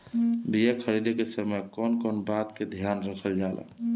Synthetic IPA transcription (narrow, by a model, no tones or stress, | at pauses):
bijekʰəɾid̪ekesəməjkɔnkɔnbat̪ked̪ʱjanɾəkʰəld͡ʒalʔa̰